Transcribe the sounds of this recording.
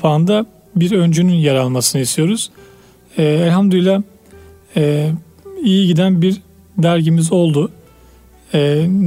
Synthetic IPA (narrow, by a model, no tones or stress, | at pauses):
paːɯnd̪a | biɾø̞nd͡ʒynynjaɾalˠmasɯnɯist̪ʰijo̞ɾuz̥ | ɛːælʲhamd̪ylʲˠa | ɛː | ijiɟid̪ænbiɾ | d̪æɾɟimizo̞lˠd̪u